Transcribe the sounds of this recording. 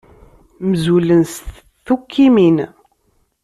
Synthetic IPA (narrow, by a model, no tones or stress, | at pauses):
məzulənst̪ | θukʰːimin